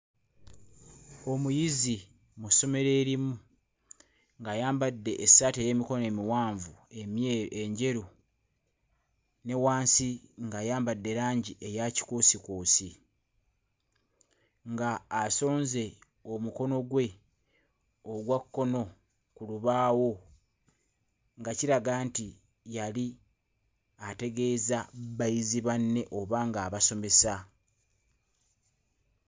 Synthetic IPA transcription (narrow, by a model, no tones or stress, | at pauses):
o̞mujizi | muso̞me̞ɾe̞ːɾimu | ŋɡajaːmbadːe̞ʔːsːaːteje̞ːmiko̞noe̞ːmiwaːɱvueeɲɟe̞ɾu | ne̞waːnsiŋɡajaːmbadːe̞ɾaːɲɟiʔe̞jaci̥kuːsikoːsi | ŋɡaːso̞ːnze̞ | o̞muko̞no̞ɡwe̞ | oɡwakːo̞no̞ | kuluβaːwo̞ | ŋɡaciɾaɡaːnti | jali | ate̞ɡe̞ːzabajiziβanːe̞ʔo̞βaŋɡaːβaso̞me̞sa